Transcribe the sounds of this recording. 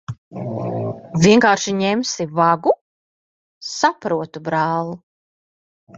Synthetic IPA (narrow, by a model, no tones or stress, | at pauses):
vʲiɛŋkaːɾʃiɲɛmsivaɡu | sapɾuɔt̪ubɾaːlˠu